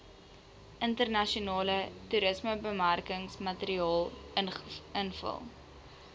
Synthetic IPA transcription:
ʔəntərnɐʃiunɑːlətuɾəsməbəmærkəŋsmɐtəɾiɑːlˠ | ənfə̰lˠ

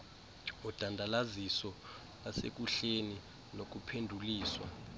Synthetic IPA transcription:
ɔd̥ʱandʱalazisɔ | lasḛk̬uɬeni | nok̬upʰendʱuliːswa̰

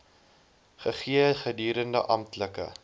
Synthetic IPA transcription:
χəχiəχədyːɾəndə̰ʔɐmtləkə̰

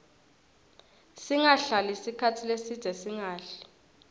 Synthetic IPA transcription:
siŋaɬalisikʰatʰilesid̥ʱɛsiŋaːɬɛ̥

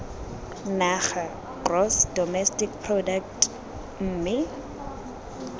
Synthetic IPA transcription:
naχa | krɔsdɔmɛstikpʰrɔdak̚t | m̩ːmɪ

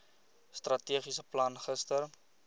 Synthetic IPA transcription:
strɐtiəχisəplɐnχəstər

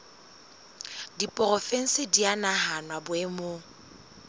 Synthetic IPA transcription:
dipʼɔrɔfɛŋ̩sɪdianaɦanwabʊemo

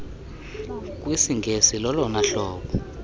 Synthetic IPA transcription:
k̬wisiŋɡʱesilɔlɔnaɬɔːɓɔ

